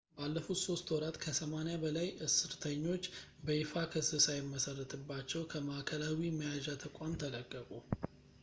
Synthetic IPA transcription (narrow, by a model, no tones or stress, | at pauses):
balːəfut̪so̞st̪wɔɾat̪kʰəsəmanejabəlajʔɨsɨɾt̪ʰəɲːo̞t͡ʃː | bəjɪfakʰəsɨsajɛmːəsərːət̪ʰɨbːat͡ʃːɛwkʰəmaʔkʰəlawiməjaʒat̪ʰəkʷʼamt̪ʰələkʼːəkʼu